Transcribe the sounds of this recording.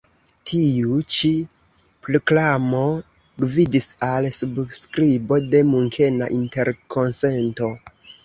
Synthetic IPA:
tʰiut͡ʃi | pɾoklamo̞ | ɡvidisalsubskɾibo̞de̞muŋkʰe̞na̰ʔinte̞ɾkʰo̞nse̞nto̞

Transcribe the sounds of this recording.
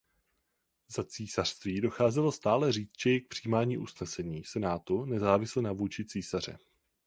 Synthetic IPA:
zat͡siːsar̥st̪viːdo̞xaːzɛlost̪aːlɛr̝iːt͡st̪ʒ̥ɛjɛk̚pr̝̥iːmaːɲiːʔusnɛsɛɲiːsɛnaːt̪unɛzaːvɪslɛnavuːt͡ʃɪt͡siːsar̝ɛ̰

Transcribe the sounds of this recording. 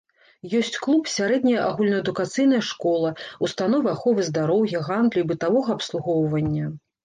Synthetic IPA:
jɔsʲt͡sʲklˠupsʲaɾɛd̪nʲɐjɐʔaɣulʲnɐɛd̪ukat̪sɨjn̪ɐjɐʂkɔlˠɐust̪anɔvɨaxɔvɨzd̪aɾɔwjɐɣand̪lʲuibɨt̪avɔɣɐːpslˠuɣɔwvɐnʲːɐ

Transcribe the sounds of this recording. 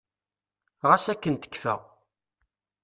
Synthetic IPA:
ʁæsækːənt̪ə̥kːfə̰

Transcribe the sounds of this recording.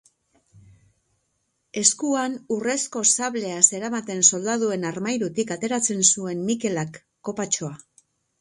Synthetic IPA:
e̞skuanure̞sko̞saβle̞ase̞ɾamat̪e̞nso̞ld̪aðue̞naɾmajɾut̪ikat̪e̞ɾat͡se̞nsue̞nmike̞lakː | o̞pat͡ʃo̞a

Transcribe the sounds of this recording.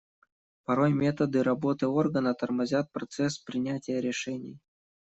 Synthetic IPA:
pɐɾo̞jmʲe̞t̪əd̪ɨɾɐbo̞t̪ɨo̞rɡənət̪ərmɐzʲat̪̚pɾɐt̪sɛspɾʲɪnʲætʲɪjəɾʲɪʂɛnʲɪj

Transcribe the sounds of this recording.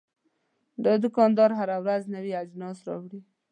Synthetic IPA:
d̪əd̪ʊkɑnd̪ɑɾɦaɾawɾaznəwiad͡ʒnɑsɾɑ̰wɽi

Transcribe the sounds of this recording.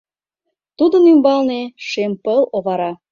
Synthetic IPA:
t̪ud̪ənymbɑlneʃempəloβɑɾɑ

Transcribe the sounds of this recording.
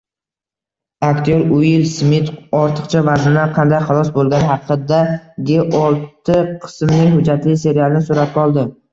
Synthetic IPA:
ak̚t̪ʰijɒɾʊjɪlsmɪt̪ɒɾt̪ʰɨ̥qt͡ʃʰavazɪnaqʰɑnd̪ajχɑlˠɒsbolˠɡʲanhɑqʰɨd̪aɡʲeʔɒlˠt̪ʰɪqʰɨ̥smnɪɦʊd͡ʒːat̪lɪse̞ɾialˠɪnɪsʊɾat̪̚ʲɒlˠd̪ɪ

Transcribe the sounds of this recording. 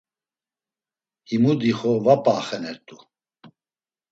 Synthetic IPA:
himud̪iχɔvapʼaχɛnɛɾt̪ʼu

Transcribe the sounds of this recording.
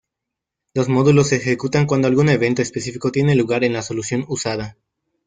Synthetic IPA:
lo̞zmo̞ðulo̞sexe̞kut̪aŋkwand̪oalɣune̞βe̞nt̪o̞espe̞sifiko̞t̪je̞ne̞luɣaɾe̞nlaso̞lusjo̞nusaða

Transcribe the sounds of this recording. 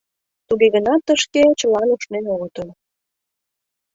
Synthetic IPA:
t̪uɣeɣənɑt̪ːəʃket͡ɕəlɑnuʃnenoɣət̪əl

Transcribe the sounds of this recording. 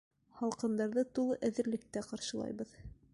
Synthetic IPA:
hɑlˠqɤ̆nd̪ɑɾðɤt̪ulˠɤʔæðɘ̆ɾlɘ̆k̚t̪æqɑɾʃɤ̆lˠɑ̰jβɤð

